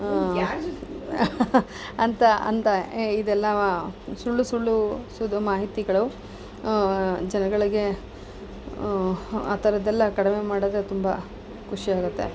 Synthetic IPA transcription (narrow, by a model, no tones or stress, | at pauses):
ɐnt̪ɐɐ̰nt̪ɐid̪ɛlːɐsuɭːusuɭːusud̪ʱɐmaːɦit̪iɡɐɭɐu | d͡ʒɐnɐɡɐɭiɡe̞ | a̰ːt̪ʰɐɾɐd̪ɛlːɐkɐɽime̞maːɽɐd̪ɾet̪umbɐ | kʰuʂiaːɡut̪ːḛ